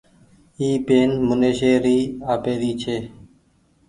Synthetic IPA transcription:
iːpeːnmʊneːʃeːɾiːaːpeːɾiːt͡ʃʰeː

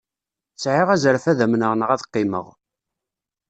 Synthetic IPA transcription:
sʕɪʁæzəɾfæðæmnəʁnʁæðqːɪmə̰ʁ

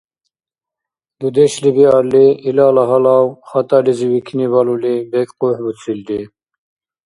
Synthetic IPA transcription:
b̪ud̪ɛʃlibiɑɾliilɑlɑɦɑlɑwχɑt̪ɑliziwikʲʰinibɑlulibɛkqohbut͡sʰild̪i

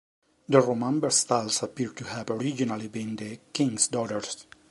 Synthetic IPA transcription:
d̪əɹomãmbəɾst̪alsapiɹt̪uhævɔɹid͡ʒinalibĩnd̪əkĩŋɡsd̪ɔɾəɹs

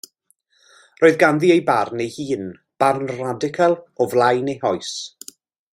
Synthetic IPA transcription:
roːɨðɡanðiejbarnejhiːn | b̥arnradɪkʰalˠɔvlˠajnejhɔjs

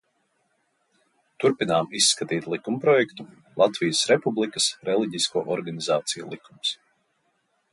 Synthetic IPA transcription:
t̪uɾpinaːmisːkat̪iːt̪ʲlˠikumpɾɔjɛkt̪u | lˠat̪vijəsɾɛpublˠikɐsɾɛlˠiɟiskuːʔɔɾɡanizaːt̪sijulˠikums

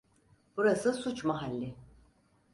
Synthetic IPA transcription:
b̥uɾasɯsut͡ʃmaɦalʲːɪ

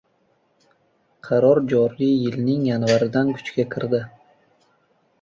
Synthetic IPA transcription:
qʰɑɾɒɾd͡ʒɒɾijɪlnɪŋjanvaɾɪd̪ankʰʊ̥t͡ʃkʲakʲʰɪɾd̪ɪ

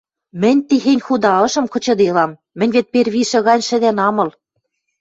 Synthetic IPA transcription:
mɘ̆nʲt̪ixenʲxud̪ɑɤ̆ʃɤ̆mkɤ̆t͡ɕɤ̆d̪elɑmːɘ̆nʲβet̪̚perβiʃɘ̆ɣɑnʲʃɘ̆d̪ænɑmɤ̆l

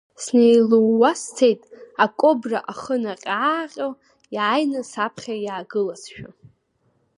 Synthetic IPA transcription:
snejluwːastʰejtʼakʼobraʔaχənaqʲʼaːqʲʼo | jʕajnɨsapʰχʲajaːɡɨlasʃᶣa

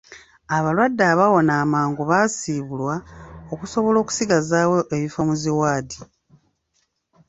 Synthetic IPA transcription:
aβalwadːaːβawo̞naːmaːŋɡuβaːsiːβulwao̞kuso̞βo̞lo̞ːku̥siɡazaːwo̞ʔeβifomuziwaːdi

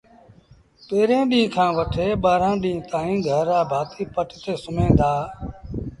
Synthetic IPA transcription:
peːɾẽːɗĩːkʰãːʋəʈʰeːɓaːɾãːɗĩːt̪ãːĩːɡʱəɾaːbʱaːt̪iːpəʈt̪eːsʊmẽːnd̪aː

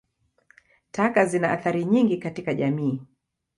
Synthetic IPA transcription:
takazinaaθaɾiɲiŋɡikatikaʄamiː

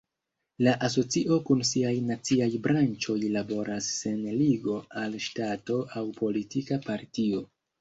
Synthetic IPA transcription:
laʔas̬o̞t͡siʔo̞kunsiajnat͡siajbɾant͡ʃo̞jlabo̞ɾasːe̞nliɡo̞alʃtato̞awpʰo̞litikapaɾtio

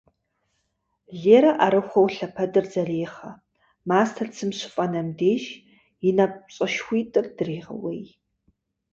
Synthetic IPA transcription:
ɮeːɾɐʔaɾɨχʷɐwɬɐpʰɐdɨrd͡zɐreːχɐ | maːstʰɐrt͡sʰɨmɕɪfʼɐnɐmdeːʒ | jɪnɐp̚ɕʼɐʃxʷiːtʼɨrdɨreːʁɐ̰wej

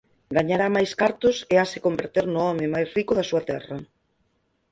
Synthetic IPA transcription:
ɡaɲaɾamajskaɾt̪ʊseasɪkombeɾt̪eɾnʊɔmɪ̃majsrikʊðasuɐt̪ɛ̰rɐ

